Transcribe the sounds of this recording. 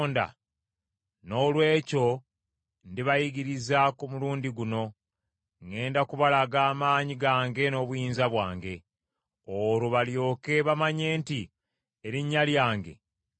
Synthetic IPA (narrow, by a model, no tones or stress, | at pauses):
nda̰ | no̞ːlwe̞ːco̞ | ndiβajiɡiɾizakumuluːndiɡuno̞ | ŋe̞ːndakuβalaɡaːmaːɲiɡaːŋɡe̞no̞ːβujiːnzaβwaːŋɡe̞ | oɾuβaljo̞ːkeβamaɲe̞ːnti | eɾiɲːaljaːŋɡe̞̰